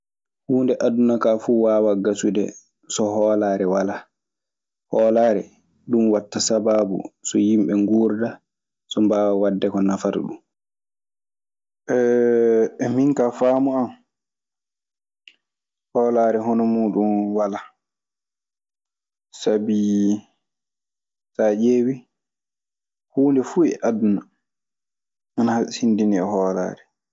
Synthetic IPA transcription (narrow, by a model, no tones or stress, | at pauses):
huːndɛʔadunakaːfuːwaːwaɡasudɛ̰ | sɔhɔːlaːɾɛwala | hɔːlaːɾɛ | ɗumwatːasababṵsɔjimɓɛŋɡuːɾda | sɔmbaːwawadːɛkɔnafaɾ̰ɗṵm | ʔɛ | miŋkafaːmuam | hɔːlaːɾɛɦɔnɔmuːɗunwala | sabi | saʔeːwi | huːndɛfuɛ̰ʔaduna | anahashindiniɛhɔːla̰ːɾɛ